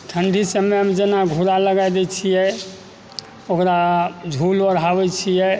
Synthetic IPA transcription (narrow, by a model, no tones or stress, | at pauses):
ʈʰəɳɖʱisəmeəmd͡ʒenaɡʱuɾaləɡajd̪ɛt͡ʃʰijɛ | okɾad͡ʒʱulbəɾɦabɛt͡ʃʰijɛ